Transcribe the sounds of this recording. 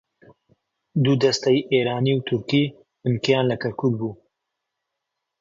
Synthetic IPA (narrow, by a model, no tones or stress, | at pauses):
d̪ud̪ɐst̪ɛjʔeːɾaːniːwt̪ʰʊɾkiː | bɨnkjaːnlɐkʰɐɾkʰuk̚buː